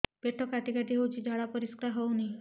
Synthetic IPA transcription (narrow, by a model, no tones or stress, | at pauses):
b̥eʈʰɔkaʈikaʈ̪iɦewt͡ʃʰid͡ʒʱaɽapɔɾiskɾaɦowni